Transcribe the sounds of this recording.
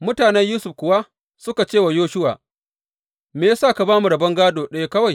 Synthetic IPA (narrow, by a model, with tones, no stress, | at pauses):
mʊ˦taː˨nɛ˦ɲjuː˦sʊ˨ɸkʷʊ˨wa˦ | sʊ˦ka˨t͡ʃeː˦˨wa˨joː˦ʃʊ˦wa̰ː˨ | meː˨ja˦saː˦˨ka˨baː˦mu˨ɽɐ˨bɐ˦ŋɡaː˦doː˨ɗɐ˦ja˦kɐ˦wa˨j